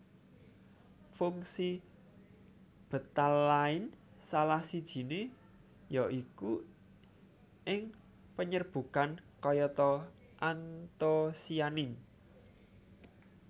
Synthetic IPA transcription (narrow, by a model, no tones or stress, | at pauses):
fuŋsi | b̥ə̤t̪alːaɪn | salahsid̥ʒ̥i̤ne | jɔʔiku | ʔɪŋ | pəɲərb̥ṳkankɔjɔt̪ɔ | ʔant̪osianɪn